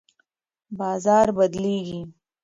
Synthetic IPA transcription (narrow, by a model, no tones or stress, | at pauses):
bɑːzɑːɾbɐd̪leːɡi